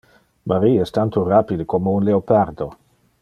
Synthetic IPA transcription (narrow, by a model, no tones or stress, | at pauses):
mʔaɾiɛst̪ant̪orapid̪əkomounleopaɾd̪o